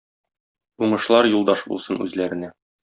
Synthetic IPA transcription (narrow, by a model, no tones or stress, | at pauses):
uɴɤ̆ʃlˠɑɾjulˠd̪ɑʃbṵlˠsɤnʉzlæɾɘ̆næ